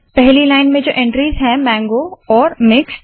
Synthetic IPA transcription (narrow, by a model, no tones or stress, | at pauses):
pɛɦlilaːɪnmẽd͡ʒoːʔɛ̃ɳʈɾiːzɦɛ̃mɛ̃ːŋɡoɔːɾmɪks